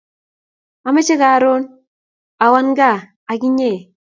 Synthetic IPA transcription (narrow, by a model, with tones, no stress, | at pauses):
a˨me˦t͡ʃe˦ɡa˨ɾo˦n | a˨wa˦nɡa˦˨ | a˨ɡi˦ɲe˦˨